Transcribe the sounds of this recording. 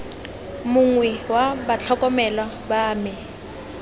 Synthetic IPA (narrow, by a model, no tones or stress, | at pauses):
mʊŋwɛwabat͡ɬʰɔkʼɔmɛla | baːmɪ